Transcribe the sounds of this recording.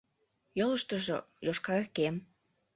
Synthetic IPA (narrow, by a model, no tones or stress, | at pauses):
joləʃt̪əʒo̰ | joʃkɑekem